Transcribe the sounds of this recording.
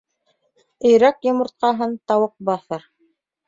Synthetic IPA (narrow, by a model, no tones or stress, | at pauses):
ɘ̆jɾækjŏmɤ̆ɾt̪̚qɑɦɤnt̪ɑwɤq̚bɑθɤɾ